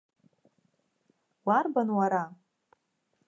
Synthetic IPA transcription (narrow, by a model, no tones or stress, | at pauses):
warbanwaɾa